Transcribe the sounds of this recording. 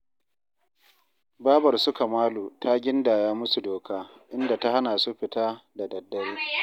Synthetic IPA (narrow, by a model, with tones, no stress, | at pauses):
baː˦bɐ˨rsʊ˦ka˨maː˦luː˨ta˦ɡʲɪ˦nda˨jaː˦mʊ˦su˨doː˨kʰaː˦ | ʔɪ˦nda˨ta˦ɦa˦na˨su˦ɸɪ˨taː˦da˨dɐ˨dːɐ˦ɽiː˦